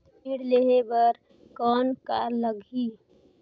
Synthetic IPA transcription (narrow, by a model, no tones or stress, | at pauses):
iɽleɦebəɾ | kɔːnkaləɡʱi